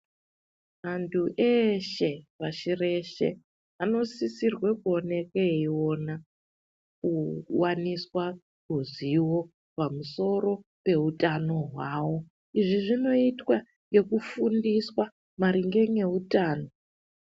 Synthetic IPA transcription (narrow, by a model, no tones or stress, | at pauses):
ɦantʰuʔeʃe̞paʃire̞ʃe̞̰ | ano̞sisirwekuone̞keio̞na | kuwaniswa | kuziwo̞ | pamuso̞ɾo̞pe̞utano̞ɦwaːwo̞ | iʐiʐino̞itwa | ŋɡe̞kufundiswa | maɾiŋɡe̞ŋe̞utaːno̞